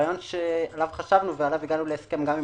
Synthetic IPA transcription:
jo̞nʃealavχaʃavnuvealaviɡanuleːske̞mɡami

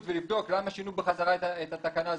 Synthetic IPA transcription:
tvelibd̪o̞klamaʃinubeχazaʁaeethat̪akanaː

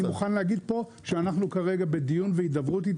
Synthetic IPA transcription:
imuχanlehaɡid̪̚po̞ʃeanaχnukaʁe̞ɡabe̞d̪ijunveid̪avʁut̪̬it

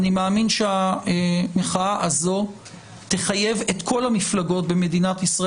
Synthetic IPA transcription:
nimeaːminʃeaemeχaaʔazo̞ | t̪e̞χaje̞vet̪kʰo̞lamiflaɡo̞t̚be̞me̞dinatisʁa

